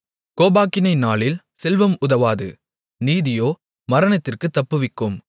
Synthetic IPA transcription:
koːbaːkɪnɐɪnaːlɪl | sɛlʋɐmʊðɐʋaːðɯ̰ | niːðɪjoː | mɐɾɐnɐt̪ːɪrkɯt̪ːɐpːɯʋɪkːɯm

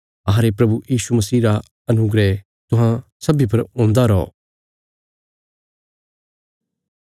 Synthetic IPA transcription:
aːɾepɾɐbujiːʃumɐsiːɾa | ɐnʊɡɾɛ | t̪ʊɦãsɐbip̬ɐɾõːnd̪aɾɔː

